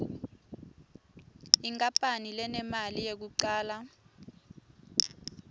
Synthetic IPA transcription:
iŋkʼapʼanilɛnɛmalijek̬uǀaːla

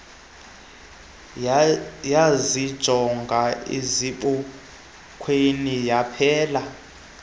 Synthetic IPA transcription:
jazid̥ʒ̥ʱɔŋɡʱaḛziɓɔ | kʰwenijapʰɛːla

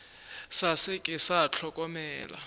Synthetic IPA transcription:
sasɪkʼɪsat͡ɬʰɔkʼɔmɛːla̰

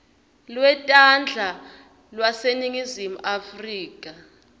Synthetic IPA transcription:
lwɛtʼand͡ɮʱa | lwaseniŋizimṵʔafriːkʼa

